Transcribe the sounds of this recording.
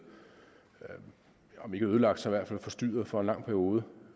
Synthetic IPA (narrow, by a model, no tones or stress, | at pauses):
ɒ̽me̝ɡ̥əøð̞ˠəlɑ̈ɡ̥d̥sɑiʋæɐ̰dfælfɒ̽sd̥y̰ːɐð̩ˠfɒ̽enlɑ̈ŋ̰pʰæɐʁio̝ːð̞ˠə